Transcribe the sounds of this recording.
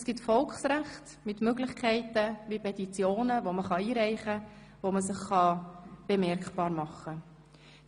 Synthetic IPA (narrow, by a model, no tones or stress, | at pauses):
sɡ̥itfɔlkχsɾæχt | mɪtmøɡlɪχkʰɛɪtəvipʰɛtit͡sjoːnəvoməχɑiːɾɛɪχə | voməsɪχːɑb̥emɛɾkχpɑːɾmɑχːə